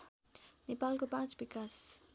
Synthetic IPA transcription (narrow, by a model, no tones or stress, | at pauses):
nepalkopatbikas